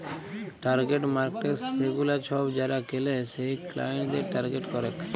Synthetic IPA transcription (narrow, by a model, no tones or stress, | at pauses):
ʈaɾɡeʈmaɾkʈeseɡulaɾt͡ʃʰɔbd͡ʑaɾakelesejkla̰jeɳʈd̪eɾʈaɾɡeʈkɔɾet̪